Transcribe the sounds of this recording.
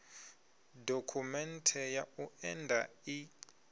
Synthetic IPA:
dʱokʰumɛntʰɛjauɛndʱai

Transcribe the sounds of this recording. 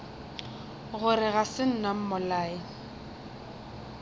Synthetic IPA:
ɣʊɾɪɣasɪn̩nam̩mɔlaːɪ

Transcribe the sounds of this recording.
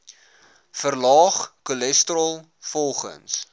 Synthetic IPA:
fərlɑːχkulɛstrɔlˠ | fɔlˠχə̰ns

